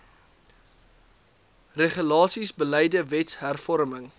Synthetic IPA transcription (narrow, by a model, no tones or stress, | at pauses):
reχəlɑːsisbəlɛjdəvɛtɦærfɔɾməŋ